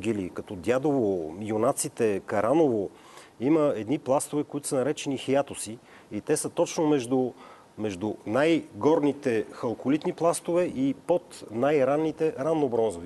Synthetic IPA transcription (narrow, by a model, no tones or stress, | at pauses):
ɡ̟ʲilikɐt̪ɔd̪jad̪ovojonat̪sit̪ɛkɐɾanovo | iməɛd̪niplˠast̪ovɛkoit̪ʊ̥sənɐɾɛt͡ʃɛnixijat̪osi | it̪ɛsət̪ɔt͡ʃnomɛʒd̪u | mɛʒd̪unajɡɔɾnit̪ɛxɐlˠkolit̪niplˠast̪ovɛʔipot̪najɾanːit̪ɛɾanːobɾɔnzovi